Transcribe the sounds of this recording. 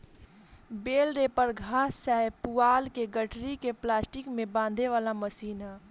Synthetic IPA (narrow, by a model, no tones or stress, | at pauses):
beːlɾeːpəɾɡʱaːsːəɦpuaːlkeɡəʈʰɾikeplaːsʈɪkmẽbãːnd̪ʱeʋaːlaməsiːna